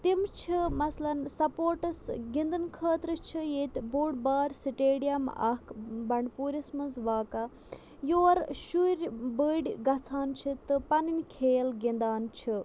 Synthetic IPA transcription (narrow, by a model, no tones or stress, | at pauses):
t̪imt͡ʃʰimɐslɐnsɐpoːɾʈɐsɡind̪ɨnkʰəːt̪ɾɨt͡ʃʰijeːt̪buːɽbaːɾsiʈeːɖijɐmɐ̰kʰbɐɳɖpuːɾʲismɐnzʋaːka | joːɾʃuɾʲbəɖʲɡɐt͡sʰaːnt͡ʃʰit̪ɨpɐninʲkʰeːlɡind̪aːnt͡ʃʰi